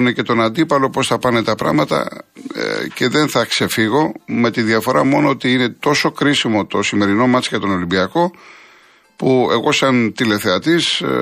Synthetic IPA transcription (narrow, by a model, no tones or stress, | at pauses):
nece̞t̪o̞nɐnd̪ipɐlo̞po̞sθɐpɐne̞t̪ɐpɾɐ̰ɣmɐt̪ɐ̰ | ce̞ðe̞nθɐkse̞fiɣo̞me̞t̪inðjɐfo̞ɾɐmo̞noot̪iine̞t̪o̞so̞kɾisimo̞t̪osime̞ɾino̞mɐt͡sjɐt̪o̞no̞limbiɐko̞ | pue̞ɣo̞sɐnt̪ile̞θe̞ɐt̪is